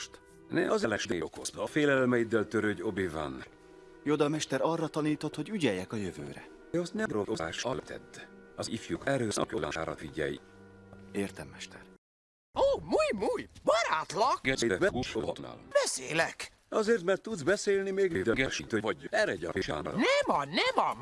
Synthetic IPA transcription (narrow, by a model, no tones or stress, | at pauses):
ʃt̪ | nɛ̰ʔɒzɛlɛʃd̪eːokozt̪feːlɛlmɛjid̪ɛlt̪øɾøɟobivɒ̰n | jod̪ɒmɛʃt̪ɛɾɒrːɒt̪ɒniːt̪o̞t̪ho̞ɟyɟɛjːɛkɒjøvø̰ːɾɛ̰ | ɒst̪nɛd̪ɾoozaːʃɒlt̪ʰɛ̰d̪ːɒzifjukɛɾøːsɒ̰kjolɔ̰nʃa̰ːɾɒ̰t̪viɟɛ̰jḭ | eːrt̪ɛmːɛʃt̪ɛr | oːmuːjmuːjbɒɾaːt̪lɒɡɛɛbɛuʃoot̪na̰lb̥ɛseːlɛk | ɒzeːrt̪mɛrt̪ːud̪zbɛseːlnimeːɡid̪ɛɡɛʃikt̪øɛːɾɛɟɒ̰iʃɛ̰n̰nɛmɒnɛmɒm